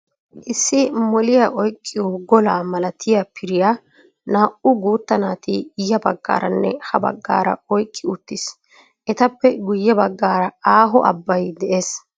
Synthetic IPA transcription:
ʔɪsːɪmɔlɪjaʔɔjkʼːɪjoɡɔlaːmɐlɐt̪ʰɪjapʰɪɾɪja | naːʔʊɡuːt̪ːɐnaːt̪ɪjːɐbɐɡːa̰ːɾɐnːɛ̰hɐbɐ̰ɡːa̰ːɾɐ̰ɔjkʼːɪʊt̪ːɪs | ʔɛt̪ɐpːɛɡʊjːɛbɐɡːaːɾɐaːɦɔʔɐ̰bːɐjd̪ɛʔe̞ːs

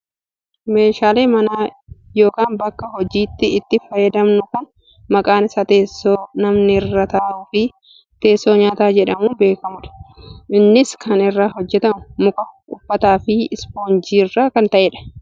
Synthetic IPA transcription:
me̞ːʃaːleːmɐnaːjo̞ːkaːnbɐkːɐɦɔd͡ʒiːt̪ːɪːt̪ːɪfɐjɐd̪ɐmnʊkɐn | mɐkʼaːnɪsaːt̪e̞ːsːoːnɐmnɪrːɐt̪aːʔʊfɪ | t̪e̞ːsːo̞ːɲaːt̪aːd͡ʒɛᶑɐmuːbe̞ːkɐmʊᶑɐ̥ʔɪnːɪskʰɐnɪrːaːɦɔd͡ʒːɛt̪ɐmʊmʊkʼɐʔʊfːɐt̪aːfɪɪspoːnd͡ʒiːrːaːkɐnt̪ɐʔeːᶑɐ̥

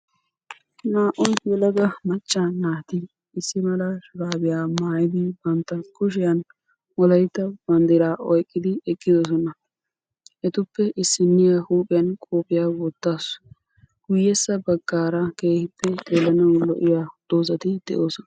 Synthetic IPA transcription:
naːʔɔnjɛlɐɡ̪ɐmɐt͡ʃʼːanaːt̪ɪ | ɪsːɪmɐlɐʃʊɾaːbɪjaːmaːjɪd̪ɪbɐnt̪ːɐkʊʃɪjɐn | wɔlɐjt̪ːɐb̥ɐnd̪ɪɾaːʔɔjkʼːɪd̪ɪɛkʼːɪd̪ɔs̬ɔnɐ | ʔɛt̪ʊpːɛʔɪsːɪnːɪjɐhuːpʼɪjɐnkʼoːpɪjaːwɔt̪ːaːs | ɡ̥ʊjːɛsːɐbɐɡːaːɾɐke̞ːhɪpːɛd̪eːlɐnɐwlɔ̰ʔɪjaːd̪̥oːzɐt̪ɪd̪̥ɛ̰ʔoːsɔnɐ

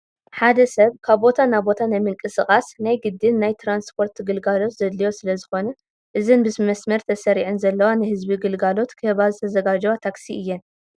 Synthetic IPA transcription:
ħad̪ɐsɐβkʰaβo̞t̪ʰanabo̞t̪ʰanajmɨŋkʼɨsɨχʼasnajɡɨd̪ːɨnːajt̪ʰɾanspʰo̞ɾt̪ɡɨlɡalo̞t̪zɐd̪lijo̞sɨlɐzɨxo̞nɐ | ʔɨzɨnbɨsmɐsmɐɾt̪ʰɐsɐɾiʕɨnzɐlːɐwanɨhɨzbiɡɨlɡalo̞t̪kʰɨhβazɨt̪ʰɐzɐɡad͡ʒɐwat̪ʰaksiʔɨjːɛn

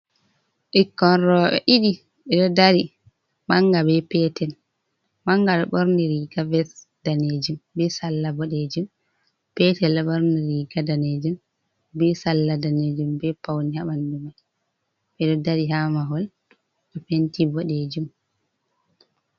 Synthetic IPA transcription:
ʔikːɔnɾɔːɓɛ̰ʔiɗi | ɓɛɗɔdaɾi | maŋɡabɛpɛtɛl | maŋɡaɗɔɓɔɾniɾiɡavɛs | d̥aned͡ʒumbɛsalːabɔɗed͡ʒum | pɛtɛlɛɓɔɾniɾiɡadaned͡ʒum | bɛsalːadaned͡ʒumbɛpawnihaɓandumɛ | ɓɛɗɔdaɾiɦamaɦɔl | ɛfentibɔɗed͡ʒum

